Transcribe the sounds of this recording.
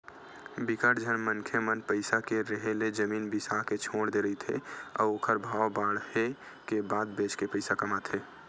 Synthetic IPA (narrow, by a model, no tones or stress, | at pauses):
bikaɾd͡ʒʱənmənkʰemənpəɪsakeɾəɦeled͡ʒəmiːnbisaɦket͡ʃʰoːɽd̪eɾəit̪ʰḛɔ̰ːɾoːkʰəɾbʱaːbaːɽhe | kebaːd̪beːt͡ʃkepəɪsakəmat̪ʰeː